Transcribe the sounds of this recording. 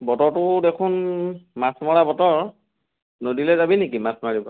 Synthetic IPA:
bɔtɔɹtʊdekʰʊnmasmɔɹabɔtɔɹ | nodilɛzabinikimasmaɹibɔ

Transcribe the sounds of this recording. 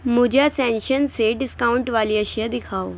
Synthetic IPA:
mud͡ʑʱjasɛ̃nɕənseɖiskauɳʈʋaliəɕəd̪ikʰaw

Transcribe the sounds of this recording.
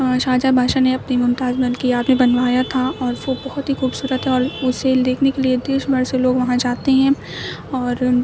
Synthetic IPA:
ʃaːd͡ʒabʱaːʃaneɐpnimʊmt̪aːzbɐnkiaːpnẽbɐnʋaːjat̪ʰaɔːɾʋobɐɦʊt̪ɦixuːbsuːɾət̪ɦɛɔːɾʊsːeld̪eːkʰnekelied̪eːʃbɐɾseloːɡʋɐɦãd͡ʒaːt̪eɦɛ̃ | ɔːɾ

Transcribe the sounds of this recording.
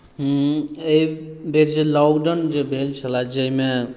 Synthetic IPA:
ɦeibeɾd͡ʒelɔɡɖənd͡ʒebʱelt͡ʃʰəlad͡ʒəɦime

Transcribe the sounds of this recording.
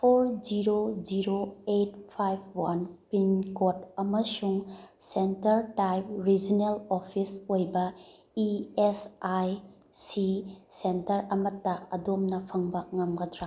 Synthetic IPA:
pʰoɾd͡ʒiɾod͡ʒiɾoetpʰajb̚ʰwanpinkotɐmɐsuŋsentɐɾtajp̚ɾid͡ʒinelopʰisojbɐ | iesaj | sisentɐɾɐmɐtːɐɐdomnɐpʰɐŋbɐŋɐmɡɐdɾa

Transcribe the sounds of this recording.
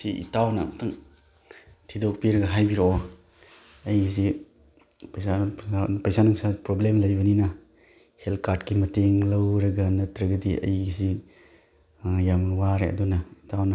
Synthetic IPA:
siʔḭtawnɐmɐtʰaŋ | tʰidok̚piɾɐɡɐɦajbiɾoɔ | ɐjɡisi | pɐjsaapɐjsanuŋsapɾoblemlɐjbɐninɐ | helkʰaɾdkimɐteŋlɐwɾɐɡɐnɐtɾɐɡɐdiʔɐ̰jɡisi | jamwaɾeɐ̰dunɐitawnɐ

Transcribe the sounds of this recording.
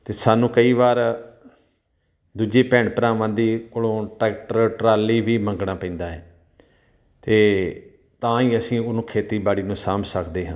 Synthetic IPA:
t̪eːsaːnũːkəiːʋaːɾ | d̪uːd͡ʒeːpɛ̃ːɳɖpəɾãːʋãːnd̪iːkolõːʈɛːk̚ʈəɾʈɾaːliːʋiːmə̃ŋɡɳaːpə̃ĩːnd̪aːɦɛː | t̪eː | t̪ãːiːəsĩːʊnũːkʰeːt̪iːbaːɽiːnũːsaːmsəkʰd̪eːɦãː

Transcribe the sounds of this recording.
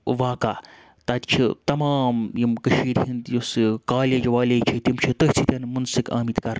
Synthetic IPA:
ʋaːkaː | t̪ɐt̪t͡ʃʰit̪ɐmaːmjimkɐʃiːɾʲhind̪josɨkaːlʲɐd͡ʒɐʋaːlʲɐt͡ʃʰit̪ʲimt͡ʃʰit̪oɦʲt͡s̪ʰit̪ʲɐnmɐnsɨka̰ːmit̪kɐɾ

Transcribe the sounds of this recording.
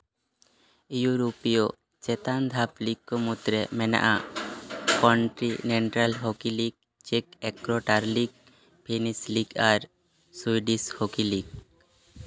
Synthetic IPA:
juɾupijɔ | t͡ʃɛt̪and̪ʱapliɡ̚kɔmut̪ɾɛmɛna̰ʔa | kɔɳʈɾineɳʈɾalɦokiliɡ̚ | t͡ʃekɛkɾoʈaɾliɡ̚ | pʰenisliɡaɾ | swuiɖishokiliɡ

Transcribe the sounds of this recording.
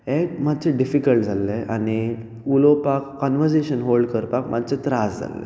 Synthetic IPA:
ekmad̪t͡ɕeɖifikəlʈ̚d͡zʱalːeani | ulopakːɔnʋəɾd͡ʑeɕənɦolɖkəɾpakmʔad̪t͡ɕet̪ɾasd͡zʱa̰lːḛ

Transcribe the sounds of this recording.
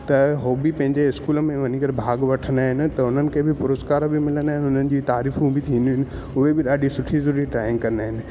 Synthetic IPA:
t̪ɐɦoːbipɐ̃ɦɪ̃ɲd͡ʑeɪskuːləmẽʋɐnĩkɐɾbʱaːɡʋɐʈʰənd̪aːɦɪnɪ̆t̪ɐʊn̤ənɪ̆kʰebʱɪpʊɾoːskaːɾbɪmɪlənd̪aːɦɪnɪɦʊnənɪ̆d͡ʑiːt̪aːɾiːfũbʱɪt̪ʰĩːnd̪iɦɪnɪ̆ | ʊɦebɪɗaːɗisʊʈʰizɐɾuːɾiʈɾaːɪ̃ŋɡkɐɾənd̪aːɦɪnɪ̆

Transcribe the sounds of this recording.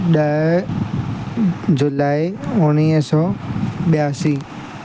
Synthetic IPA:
ɗɐɦ | d͡ʑʊlaːɪʊñiːɦsɔːɓɪjaːsiː

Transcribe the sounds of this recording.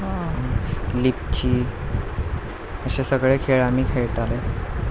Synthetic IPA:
ɦã | lip̚t͡ɕiː | əɕesəɡɭekʰeɭamiːkʰejʈale

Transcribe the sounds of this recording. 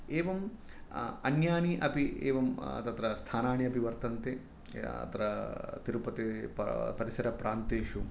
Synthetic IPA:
eːʋɐm | ɐnjaːniʔɐpiḛːʋɐm̰t̪ɐt̪ɾɐst̪ʰaːnaːɳiɐpiʋɐɾt̪ɐnt̪e | ɐ̰t̪ɾɐt̪iɾupɐt̪ippɐɾisɐɾɐpɾaːnt̪eːʃu

